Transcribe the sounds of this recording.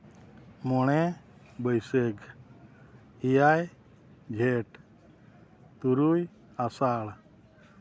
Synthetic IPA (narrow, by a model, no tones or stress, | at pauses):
mɔɳ̃ɛ | bəjseɡ | ijaj | d͡ʒʱeʈ | t̪uɾuj | asaɭ